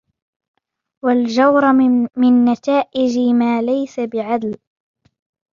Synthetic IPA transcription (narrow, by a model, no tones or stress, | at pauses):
wald͡ʒawɾˤmɪnːat̪aːʔɪd͡ʒmaːlajsabɪʕad̪l